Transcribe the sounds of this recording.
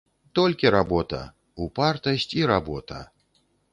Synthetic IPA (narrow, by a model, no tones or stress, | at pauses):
t̪ɔlʲkʲiɾabɔt̪ɐ̰ | upart̪ɐsʲt͡sʲiɾabɔt̪ɐ̰